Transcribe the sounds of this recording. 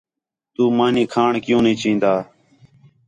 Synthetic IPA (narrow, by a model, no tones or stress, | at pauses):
t̪uːmaːniːkʰaːɳkɪjũːnĩːt͡ʃĩːnd̪aː